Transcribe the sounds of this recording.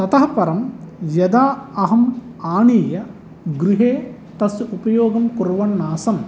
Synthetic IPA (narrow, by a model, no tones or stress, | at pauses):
sɐt̪ɐɦɐpɐɾɐmjɐd̪aːɐɦɐmaːniːjɐ | ɡɾuɦeːt̪ɐsjɐupɐjoːɡɐmkuɾʋɐɳːaːsɐm